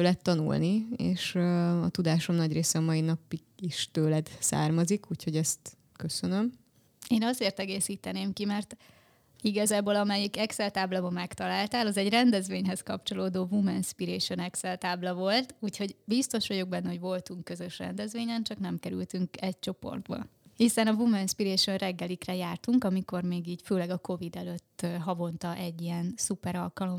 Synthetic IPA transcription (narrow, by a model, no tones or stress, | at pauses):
ølɛt̪ːɒnṵlniḛːʃɒt̪ud̪aːʃo̞mnɒɟreːsɛɒmɒinɒpiɡiʃt̪øːlɛd̪sa̰ːrmɒzikuːcho̞ɟɛst̪ | køsønøm | eːnɒzeːrt̪ɛɡeːsiːt̪ɛneːmkimɛrt̪ | iɡɒzaːboːlɒmɛjikɛksɛlt̪aːblɒbɒmɛkt̪ɒlaːlt̪aːlɒzɛɟrɛnd̪ɛzʋeːɲɦɛskɒpt͡ʃo̞loːd̪oːvumɛnspiɾeːʃo̞nɛksɛlt̪aːblɒvo̞lt̪uːcho̞ɟbist̪o̞ʃʋɒɟo̞ɡ̚bɛnːɛɦo̞ɟvo̞lt̪uŋkːø̞zøʃrɛ̰nd̪ɛzʋeːɲɛnt͡ʃɒknɛmkɛɾy̰lt̪yŋkɛc̚t͡ʃo̞po̞̰rd̪bɒ̰hisɛnɒvumɛnspiɾeːʃo̞nrɛɡːɛlikrɛjaːrt̪uŋkɒmiko̞rmeːɡiːcføːlɛɡɒko̞vid̪ɛløt̪ːɦɒvo̞nt̪ɒʔɛɟːiɛnsupɛɾɒlkɒlo̞m